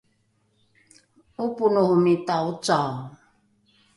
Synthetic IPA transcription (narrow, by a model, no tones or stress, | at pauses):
upunuhumitaut͡saw